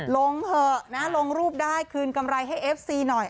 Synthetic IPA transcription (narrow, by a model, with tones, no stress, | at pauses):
lo˧ŋpʰɤː˧˩na˦˥lo˧ŋɾuː˥˩p̚daː˥˩jkʰɯː˧nka˧mɾa˧jɦa˥˩jʔeː˦˥p̚siː˧nɔ˨˩j